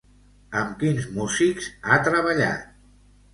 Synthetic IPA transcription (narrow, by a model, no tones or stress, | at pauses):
əmkinzmuzikzat̪ɾəβəʎa̰t̪̚